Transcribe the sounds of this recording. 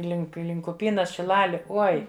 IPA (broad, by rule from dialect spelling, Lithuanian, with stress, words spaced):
ˈlʲɪŋk ˈlʲɪŋk ʊˈpʲiːnɐs ʃʲɪˈlˠɑːlʲɪ ˈoːɪ